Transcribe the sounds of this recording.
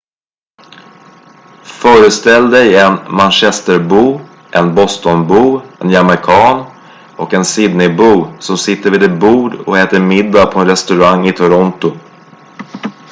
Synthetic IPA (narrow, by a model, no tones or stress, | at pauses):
fœːɾəst̪ɛld̪ɛjɛnmanɕɛst̪əɾbuː | ʔɛnbɔst̪ɔnbuːɛnjaməkʰɑːn | ɔkɛnsɪd̪nɪbuːsɔmsɪt̪ːəɾviːd̪ɛt̪̚buːɖɔ̰heːt̪əɾmɪd̪ːapʰɔɛnɾɛst̪ɵɾaŋːɪt̪ʰʊɾɔnt̪ʊ